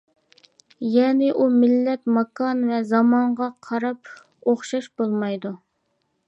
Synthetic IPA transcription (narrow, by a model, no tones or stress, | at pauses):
jɛnɪʔumɪlːɛt̪mɑkɑnvɛzɑmɑɴʁɑqʰɑɾɑp̚ | oχʃɑʃbolˠmɑjd̪u